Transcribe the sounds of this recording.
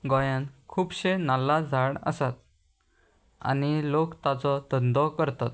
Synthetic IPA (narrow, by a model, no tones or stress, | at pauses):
ɡɔjãnkʰuːpɕenalːad͡zʱaɽə̰sat̪̚ | a̰nilokt̪at͡sɔt̪ənd̪ɔkəɾt̪at̪̚